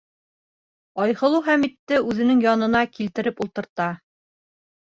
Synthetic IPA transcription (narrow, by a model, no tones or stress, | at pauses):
ɒjhɤ̆lˠuχæmit̪ːɘʉðɘ̆nɘŋjɑnɤ̆nɑkilt̪ɘ̆ɾɘpulˠt̪ɤ̆ɾt̪ɑ